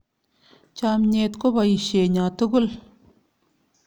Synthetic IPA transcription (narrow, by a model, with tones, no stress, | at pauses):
t͡ɕa˨mɲeː˨t̪̚ko˥pa˨ji˨ɕeː˨ɲa˨t̪u˦ɡu˥˨l